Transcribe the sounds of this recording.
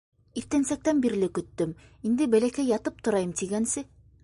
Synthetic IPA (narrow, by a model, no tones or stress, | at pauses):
iɾt̪ænsæk̚t̪ænbiɾlɘkɵ̆t̪ːɵmind̪ɘbælækæjːɑt̪ɤp̚t̪ŏɾɑjɤmt̪iɡænsɘ